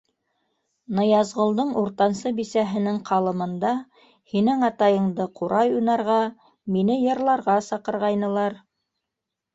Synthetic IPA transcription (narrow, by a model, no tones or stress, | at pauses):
nɤjɑzʁŏlˠd̪ɤɴuɾt̪ɑnsɤbisæɦɘ̆nɘŋqʰɑlˠɤ̆mɤ̆nd̪ɑ | hinɘŋɑt̪ɑjɤ̆ɴd̪ɤquɾʔɑjujnɑɾʁɑ | minɘjɤ̆ɾlˠɑɾʁɑsɑqɤ̆ɾʁɑjnɤ̆lˠɑɾ